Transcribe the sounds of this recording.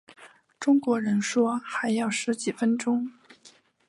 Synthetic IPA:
ʈ͡ʂʊ˥ŋkwɔ˧˥ɻə˧˥nʂwɔ˥xa˧˥ɪjɑ˥˩ʊʂɻ̩˧˥t͡ɕi˨˩fə˥nʈ͡ʂʊ˥ŋ

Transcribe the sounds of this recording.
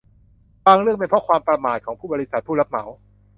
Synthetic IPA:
waː˧ŋɾɯ˥˩əŋpe˧npʰɾɔ˦˥kʰwaː˧mpɾa˧maː˨˩t̪̚kʰɔː˩˦ŋpʰuː˥˩bɔː˧ɾi˦˥sa˨˩t̪̚pʰuː˥˩la˦˥p̚ma˩˦w

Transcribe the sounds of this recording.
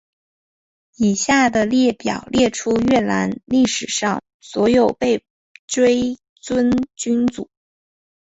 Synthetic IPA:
i˨˩ɕja˥˩d̪ə˩ljɛ˥˩pjɑ̰˨˩ʊljɛ˥˩ʈ͡ʂʰu˥ɥɛ˥˩la˧˥nli˥˩ʂɻ̩˨˩ʂɑ˥˩ŋ | swɔ˧˥jo˨˩ʊpe˥˩ɪ | ʈ͡ʂwe˥ɪ | t͡swə˥nt͡ɕy˥nt͡su˨˩˦

